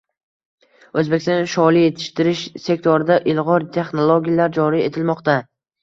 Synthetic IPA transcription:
ɵzbe̞kʲsɔnʃɒlˠije̞t̪ʰɪ̥ʃt̪ɪɾɪʃse̞k̚ʲt̪ʰoɾɪd̪aʔɪlˠʁɒɾt̪ʰe̞χnolˠoɡʲijalaɾd͡ʒɒɾie̞t̪ʰɪlmɒqt̪a

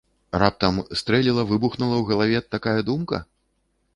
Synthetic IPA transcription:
rap̚t̪ɐmst̪ɾɛlʲilˠɐvɨbuxnulˠɐwɣɐlˠavʲɛt̪ːakajɐd̪umkɐ̰

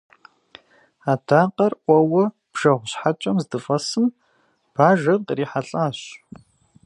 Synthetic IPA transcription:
aːdʰaːqɐrʔʷɔwɐ | b̥ʒ̥ɐʁʷɕħat͡ʃʼɐmzdɨfɐsɨm | b̥aːʒɐqriːħaɬʼaːɕ

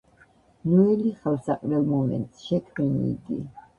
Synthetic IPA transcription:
nuɛliχalsaqʼɾɛlˠmɔmɛ̰nt̪ʼsʃɛkʰmɛnḭːɡḭ

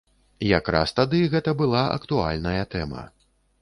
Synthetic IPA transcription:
jakɾa̰st̪ad̪ɨɣɛt̪ɐbɨlˠaʔɐ̰kt̪ua̰lʲnɐjɐt̪ɛmɐ̰

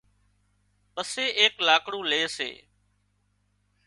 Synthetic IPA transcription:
pəseːeːklaːkɽũːleːsḛː

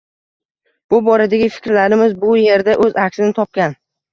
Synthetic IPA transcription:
b̥ʊbɒɾad̪aɡʲɪfɪ̥kʲɾlaɾɪmɪzbʊje̞ɾd̪aʔɵzakʲsɪnɪt̪ʰɒp̚kʲan

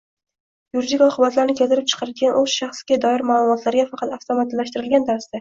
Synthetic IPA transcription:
juɾid̪ikʲɒqʰɨbat̪laɾnɪkʲʰelt̪ɪɾɪp̚t͡ʃʰɨ̥qʰɑɾɪd̪ɡʲanʔɵz̥ʃaχsɡʲad̪ɒɪɾmaːlˠʊmɒt̪ʰlaɾɡʲafɑqʰɑt̪aft̪ʰomat̪lːaʃt̪ɪɾɪlɡʲant̪ʰaɾɪsd̪a

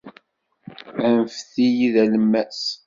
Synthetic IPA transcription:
ænfθijiðæləmːæs

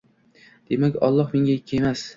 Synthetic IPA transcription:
d̪̥e̞makʲɒ̰lˠːɒhmeŋʲaekʲʰːaemas

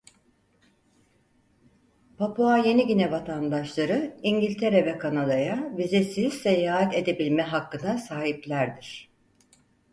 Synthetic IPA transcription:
pʰapʰuaje̞niɟinɛvat̪ʰand̪aʃlˠaɾɯiɲɟilʲt̪ʰe̞ɾɛvɛkʰanad̪ajabizesizsejaːɦat̪e̞d̪e̞bilʲmɛɦakːɯnd̪asaːɦiplʲæɾd̪iɾ̥

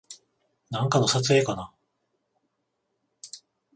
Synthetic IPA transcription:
nãŋkano̞sat͡sɨe̞ːkana

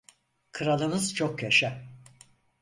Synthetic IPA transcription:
kʰɯɾalˠɯnɯzt͡ʃʰokjaʃa

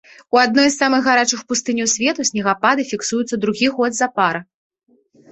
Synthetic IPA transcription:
uad̪̚nɔjsːamɨɣɣaɾat͡ʂɨxpust̪ɨnʲiwsʲvʲɛt̪usʲnʲɛɣapad̪ɨfʲiksujut̪sːɐd̪ɾuɣʲiɣɔd̪zɐpaɾɐ

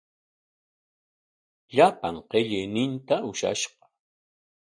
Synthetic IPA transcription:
ʎapa̰ŋqeʎɪjnɪnt̪aʔʊʃa̰ʃɢɑ̥

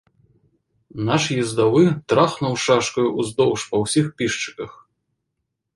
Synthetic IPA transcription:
naʂjɛzd̪avɨt̪ɾaxnɐwʂaʂkɐjuʔuzd̪ɔwʂpɐwsʲixpʲiʂt͡ʂɨ̥kɐx

